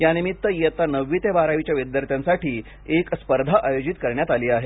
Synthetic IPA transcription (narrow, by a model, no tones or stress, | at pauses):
janimit̪ːəjet̪anəʋːit̪ebaɾaʋit͡ɕjaʋid̪jəɾt̪jansaʈiː | ekspəɾd̪ʱaʔajod͡ʑit̪kəɾɳjat̪aliːaɦe